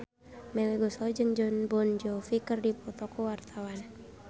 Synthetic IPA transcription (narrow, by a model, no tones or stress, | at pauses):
mɛlɛɡɔsɔd͡ʒɨŋd͡ʒɔnbɔnd͡ʒɔfikɨrdipɔt̪ɔkuwart̪ʰawan